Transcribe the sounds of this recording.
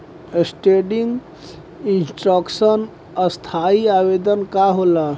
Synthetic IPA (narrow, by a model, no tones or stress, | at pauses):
esʈeɖiŋɡ | insʈɾəksən | əst̪ʰaiabed̪ənkaɦola